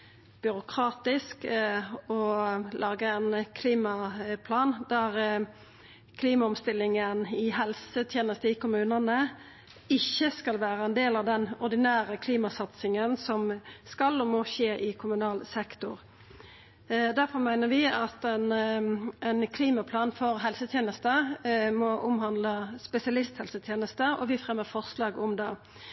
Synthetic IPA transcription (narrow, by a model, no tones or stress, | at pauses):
b̥ʏɾʊkʰʁɑːt̪ɪsk | ɔlʔɑːɡəɛnkʰliːmɑpʰlɑːnd̪̥æʁ | kʰliːmɑɔmst̪ɪlːɪŋənɪhɛlsət̪ʰjeːnəst̪əɪkʊmʉːnənə | ɪçːəskɑlʋæːʁəɛnd̪eːlɑʋd̪ɛnɔʁd̪ɪnæːʁəkʰliːmɑsɑt̪sɪŋənsɔmskɑlɔmoːçeːʔɪkʰʊmʉnɑːlsɛkt̪ʊʁ | d̪æʁfɔmæɪnəʁʋɪɑt̪ɛn | ɛnkʰliːmɑpʰlɑːnfɔʁɦɛlsət̪ʰjeːnəst̪əmɔʔʊmhɑnd̪ləspɛsɪɑlɪst̪hɛlsət̪ʰjeːnəst̪əʔɔ̰ʋɪfʁɛmːəfɔʁslɑːɡʊmd̪ɛː